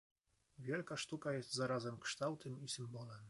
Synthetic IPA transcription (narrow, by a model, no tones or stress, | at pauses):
vʲjelʲkaʂt̪ukajesʲt̪ʲzaɾɑzɛmkʂt̪ɑwt̪ɨmisʲimbolan